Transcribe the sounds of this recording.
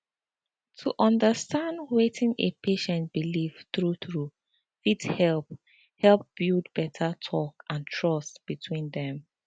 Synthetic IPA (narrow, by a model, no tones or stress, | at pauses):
tʰuʔɔ̃ndəstãndwetʰɪ̃ŋḛpʰeʃɛ̃nt̚b̥ilifθɹuθɹu | fithɛlp̚ | hɛlp̚b̥ildbɛtʰətʰɔkãntʰɹʌstb̥itʰwĩndɛ̃m